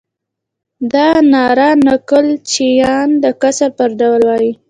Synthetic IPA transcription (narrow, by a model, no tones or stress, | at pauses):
d̪ɑnɑɾɑnakəlt͡ʃijɑnd̪əkasaɾpəɾɖawlwɑji